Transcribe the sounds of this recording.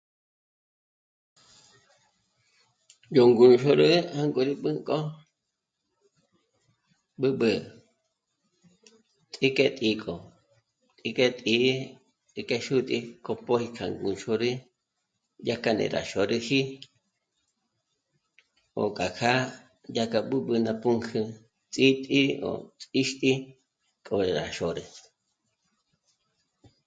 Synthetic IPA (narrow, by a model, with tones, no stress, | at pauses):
jo˨ŋɡu˨˧ʃo˧ɾɨ˦ha˦ŋkʼo˧ɾi˦ɓɨ˦kʼo˦ | ɓɨ˦ɓɨ˧ | t̪ʼi˦ke˦t̪ʼi˧kʼo˨ | t̪ʼi˧kʼe˦t̪ʼi˧˦ | t̪i˧ke˦ʃu˦t̪ʼi˧ko˧po˦hi˧kʰa˧ŋɡu˧nʃo˧ɾi˦ | ja˦ka˧nḛ˧˨ɾa̰˨ʃo˨ɾɨ˧hi˦ | o̰˨kʼa˨kʰa˦ | ja˦˧ka˧ɓɨ˦ɓɨ˧na˧pu˦ŋkʰɨ˧ | t͡sʼi˦t̪ʼi˦o̰˨t͡sʼi˦ʃt̪ʼi˦ | kʼo˧ɾa̰˨ʃo˨ɾe˨